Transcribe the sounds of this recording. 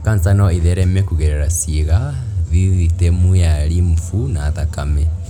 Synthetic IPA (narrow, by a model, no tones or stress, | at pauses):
kant͡sanɔiðɛɾɛmɛkuɣɛɾɛɾasiɣaβiwitɛmujaɾiɱfunaːðakamɛ